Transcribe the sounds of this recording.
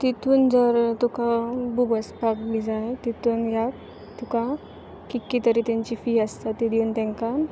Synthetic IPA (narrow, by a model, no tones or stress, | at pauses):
t̪it̪uːnd͡zəɾt̪ukabubəspakbid͡zat̪it̪uːnɡʱjak̚ | t̪uka | kikːit̪əɾit̪ãɲt͡ɕifiəst̪at̪ːid̪iunt̪ɛ̃ŋka